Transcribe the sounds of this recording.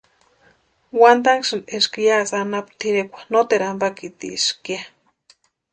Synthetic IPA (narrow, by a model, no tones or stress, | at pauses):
wand̪aŋkʃɨneʃkijasanapt̪ʰiɾekʷḁnot̪eɾambakit̪ḭʃkia